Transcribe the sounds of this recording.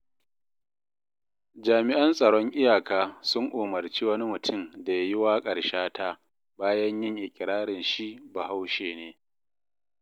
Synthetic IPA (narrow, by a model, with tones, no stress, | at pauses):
d͡ʒaː˨mɪ˨ʔɐ˦nsʼɐ˨ɽɔ˦ŋʔɪ˦jaː˨kaː˦sʊ˦ŋʔoː˨mɐ˨rt͡ʃiː˦wɐ˦ni˦mʊ˨tʰʊ˦˨mda˨ja˦jɪ˦waː˦kʼɐ˨ɽʃaː˦tʰaː˦ | baː˦jɐ˦ɲjɪ˦˨ŋʔɪ˨kʲʼɪ˨ɽaː˦ɽɪ˨nʃi˦ʔba˨ha˦wʃeː˨neː˦